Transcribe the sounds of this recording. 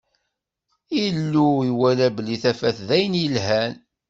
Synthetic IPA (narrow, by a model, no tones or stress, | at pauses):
ilːuiwælæbliθæfæθðæjənjəlɦæn